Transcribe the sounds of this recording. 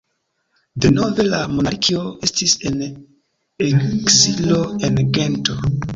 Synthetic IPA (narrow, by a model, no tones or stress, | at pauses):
deno̞ve̞lamo̞naɾkʰio̞e̞stise̞n | eksilo̞e̞nɡe̞nto̞